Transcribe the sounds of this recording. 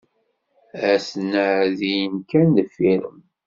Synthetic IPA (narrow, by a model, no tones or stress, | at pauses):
æsənːəʕðijənkænːəfːiɾəm